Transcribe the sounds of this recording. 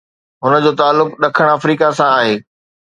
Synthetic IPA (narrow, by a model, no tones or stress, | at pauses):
ɦʊnə̆d͡ʑoːt̪aːlːʊkɗɐkʰəɽ̃ɐfɾiːkasãaːɦeː